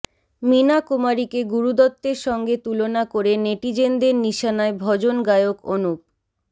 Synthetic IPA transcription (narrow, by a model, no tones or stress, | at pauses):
minakumaɾikeɡuɾud̪ɔt̪ːeɾʃɔŋɡet̪ulonakoɾeneʈid͡ʑend̪eɾniʃanaebʱɔd͡ʑonɡajokonup̚